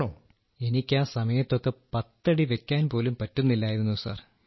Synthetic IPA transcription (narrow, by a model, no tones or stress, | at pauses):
ɳoː | e̞nikʲːaːsɐmɐjɐt̪ːo̞kːepɐt̪ːɐɽiʋe̞kʲːaːnpo̞ːlumpɐtːunːilːaːjiɾunːusa̰ːr